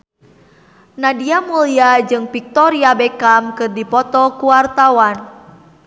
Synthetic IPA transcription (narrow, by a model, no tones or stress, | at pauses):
nadiamuliad͡ʒɨŋpik̚t̪ɔɾiabɛkamkɨrdipɔt̪ɔkuwart̪awan